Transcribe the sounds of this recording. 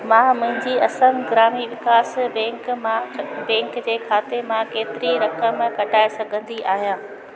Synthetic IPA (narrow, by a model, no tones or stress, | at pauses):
mãːmʊ̃ɦɪ̃ɲd͡ʑiɐsə̃mɡɾaːmiʋɪkaːsbɛ̃ːŋkm̃bɛ̃ːŋkd͡ʑeːkʰaːt̪emãkeːt̪ɪɾiɾɐkəmkɐʈʰaːesɐɡʱə̃nd̪iʔaːɦijãː